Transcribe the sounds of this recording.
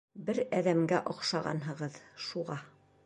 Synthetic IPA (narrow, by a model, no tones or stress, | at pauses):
bɘɾæðæmɡæʔŏqʃɑʁɑ̰nɦɤ̆ʁɤðʃuʁɑ